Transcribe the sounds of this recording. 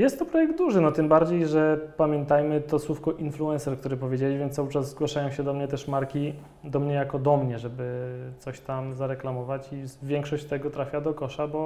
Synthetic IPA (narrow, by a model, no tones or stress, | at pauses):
jɛst̪ːɔpɾɔjɛɡ̚d̪d̪uʐɘnɔt̪ɘmbaɾd͡ʑejʐɛpamʲjɛnt̪ajmɘt̪ɔswufkɔʔinfluɛnsɛɾkt̪uɾɘpɔvʲjed͡ʑelʲivʲjɛnt̪awɘt͡ʂazzɡwaʂajɔ̃w̃ɕɛd̪ɔmɲɛt̪ɛʂmaɾkʲi | d̪ɔmɲɛjakɔd̪ɔmɲɛʐɛbɘt̪sɔɕt̪amzaɾɛklamɔvat͡ɕivʲjɛŋkʂɔɕt͡ɕt̪ɛɡɔt̪ɾafʲjad̪ɔkɔʂabɔ